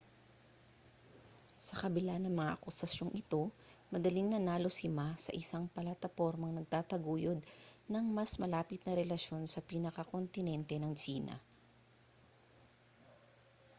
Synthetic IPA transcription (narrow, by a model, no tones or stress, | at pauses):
sɐkɐbɪlanɐŋmɐŋaʔɐkʊsɐsjo̞ŋʔɪt̪o̞mɐd̪ɐliŋnɐnaːlosɪmasɐ̰ʔɪsaŋpɐlat̪ɐpo̞ɾmɐŋnɐɡ̚t̪aːt̪ɐɡuːjod̪̚nɐŋmɐsmɐlaːpɪt̪̚nɐɾɛlɐʃjo̞nsɐpiːnɐkɐkont̪ɪnɛnt̪ɛnɐŋt͡ʃiːnɐ̰